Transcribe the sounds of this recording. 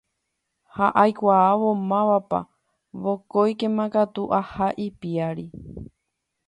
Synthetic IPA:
haʔajkʷaːʋomãʋapa̰ | βokojkẽmãɡat̪uʔahaʔipiaɾi

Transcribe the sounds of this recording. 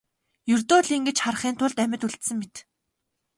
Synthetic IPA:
jɵrt̪oːɮiːŋɡet͡ɕχarχiːnt̪ʰʊɮt̪æmʲɪ̆t̪uɮt̪sɘ̆ŋmet̪

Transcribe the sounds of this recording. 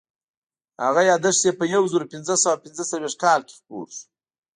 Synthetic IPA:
ha̰ɣajɑd̪əʂsepəjawzəɾopɪnzəsawapɪnzət͡salweʃt̪̚kɑlke̥xpo̰ɾʃu̥

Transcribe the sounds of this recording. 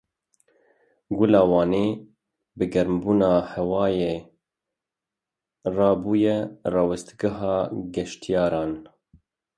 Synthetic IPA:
ɡʊlɑːwɑːneː | bɨɡɛɾmbuːnɑːhɛwɑːjeː | rɑːbuːjɛrɑwɛst̪ɡɪɦɑːɡɛʃt̪ijɑːɾɑːn

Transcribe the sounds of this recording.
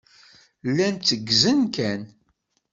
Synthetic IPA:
lːænt͡s̪ːəɡːzənkæn

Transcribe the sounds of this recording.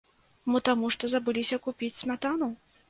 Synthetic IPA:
mɨt̪amuʂt̪ɔzɐbɨlʲisʲɐkupʲit͡sʲsʲmʲat̪anu

